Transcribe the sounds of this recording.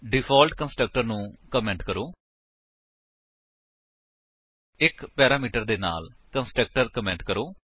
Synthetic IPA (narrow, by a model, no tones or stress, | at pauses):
ɖɪpʰɔːlʈkənsʈɾək̚ʈəɾnũːkəmɛ̃ːɳʈkəɾoː | ɪkpɛːɾaːmiːʈəɾd̪eːna̰ːlkənsʈək̚ʈəɾkəmɛ̃ːɳʈkəɾoː